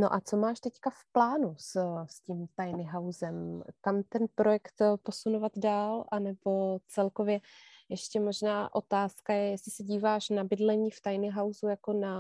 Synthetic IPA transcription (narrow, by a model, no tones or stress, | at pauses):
no̞̰ʔat͡so̞maːʃt̪ɛckafplaːnussciːmt̪ajnɪɦawzɛmkamt̪ɛnpɾo̞jɛkt̪po̞sunovad̪daːlʔanɛbo̞t͡sɛlko̞vjɛjɛʃcɛmo̞ʒnaːʔo̞t̪aːskajɛjɛsɪsɛɟiːvaːʃnabɪdlɛɲiːft̪ajnɪɦawzujako̞na